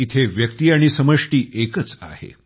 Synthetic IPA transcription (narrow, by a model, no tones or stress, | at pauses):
it̪ʰeʋjəkt̪iːaɽ̃isəməʂʈiːʔekət͡sa̰hḛ